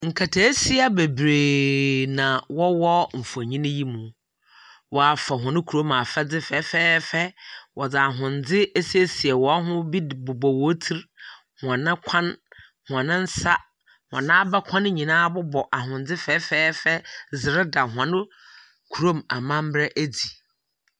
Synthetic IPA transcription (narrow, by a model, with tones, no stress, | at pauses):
ŋ̩˨kʰa˨tʰe˨˦si˦a˦be˨bɾeː˨nã˨wɔ˦wɔ˦m̩˨fu˨a˨ɲĩ˦nɪ̃˦ji˦mũ˨ | wɔ˨a˨fa˨ɦʊ̃˨nɪ̃˦kʰu˨ɾo˦ma˨fɛ˦d͡zɪ˦fɛ˨˦fɛː˦fɛ˦wʔɔ˨d͡zɪ˨a˨ɦʊ̃˨n̩˨d͡zɪ˦e˦si˦e˦si˨ɛ˨wɔ˨a˦ɦʊ̃˦bi˦˨bʊ˨bɔ˨wɔ˨˦tʰi˦ɾ | hʊ˨ã˨nã˦kʷʰã˦n | hʊ˨ã˨nɪ̃˦n̩˦sa˦ | hʊ̃˨ã̰˨nã˦a˦bɛ˦kʷʰã˦ñ˦ɲĩ˨nãː˦bʊ˦bɔ˨ʔa˨ɦʊ̃˨nd͡zɪ˦fɛː˦fɛː˦fɛ˦zɪ˨ɾɪ˦da˨ɦʊ˨ã˨nɪ̃˦ | kʰu˨ɾo˦ma˨mã˦m˦bɾɛ˦ʔæ˦d͡zi˨